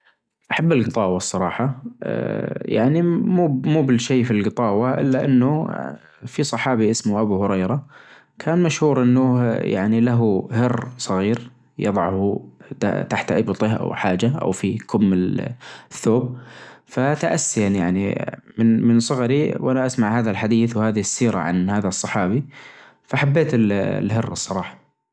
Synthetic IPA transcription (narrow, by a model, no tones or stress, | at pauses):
ʔaħabːɪlɡɨt̪ˤɑːwɑsˤːɑɾˤɑ̰ːħɑ̰ | ja̰ʕnimuːmuːbɪlʃeːfilɡɨt̪ˤɑːwaʔɪ̰lːaʔɪ̰nːʊ | fisˤɑħɑːbiʔɪsmʊʔabuhʊɾɑjɾˤɑ | kʰaːnmaʃhuːɾʔɪnːʊja̰ʕnilaɦʊhɪrːsˤɑɣiːɾ | jɑ̰ðˤɑʕhut̪a̰t̪aħt̪ʔɪbt̪ˤɪhʔa̰wħaːd͡ʒaʔa̰wfikʊmːɪ | θːoːb̚fat̪aʔasːɪjanja̰ʕnḭmɪnmɪnsˤɑɣɑɾiwʔanaʔasmaʕhaːðalħad̪iːθwhaːðɪhɪsːiːɾa̰ʕa̰nhaːðasˤːɑħɑːbi | faʔħabːeːt̪ɪl̰lɦɪrːsˤːɑɾˤɑːħɑ̥